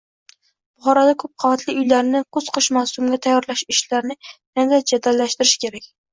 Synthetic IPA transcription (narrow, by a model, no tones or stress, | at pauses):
b̥ʊχɒɾɒd̪akʰɵp̚qʰɑvat̪ʰlɪʊjlaɾnɪqʰoz̥qʰɨʃmawsʊmɡʲat̪ʰajːɒɾlaʃɪʃlaɾnɪnad̪ad͡ʒad̪alːaʃt̪ɪɾɪʃɪ̥kʲʰe̞ɾakʲ